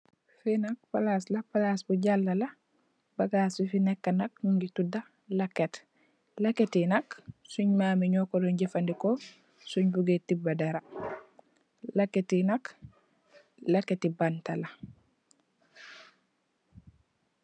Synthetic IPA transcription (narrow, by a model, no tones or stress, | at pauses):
finak̚palaslapalasbuɟalːala | baɡaːsifinɛkːanak̚nuɲɡituda | lakːet | lakːetinaksuɲmaːmiɲɔkɔdɔɲɟefandiko | suɲbuɡetibadaɾa | lakːetinak | lakːetibantala